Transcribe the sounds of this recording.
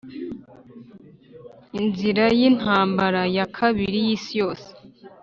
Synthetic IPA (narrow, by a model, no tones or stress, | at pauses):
inziɾajin̥haːmbaɾajakʰaβiɾijiːsijo̞ːse̥